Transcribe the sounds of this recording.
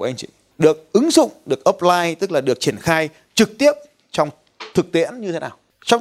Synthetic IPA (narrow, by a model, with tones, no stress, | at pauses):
ʔa˧jŋt͡ɕḭ˧˨ | ɗɨ˨˩ək̚ʔɨ˨˦ŋzʊ̰˧˨ŋ͡mɗɨ˨˩ək̚ʔə˦˥p̚laː˧jt̪ɨ˦˥k̚laː˨˩ɗɨ˨˩ək̚t͡ɕi˧˩ənxaː˧j | t͡ɕɨ˨˩k̚t̪i˦˥əp̚ | t͡ɕɔ˧wŋ͡m | t̪ʰɨ˨˩k̚t̪ḭ˧˥ənɲɨ˧tʰe˨˦naː˨˩w | t͡ɕɔ˧˦wŋ͡m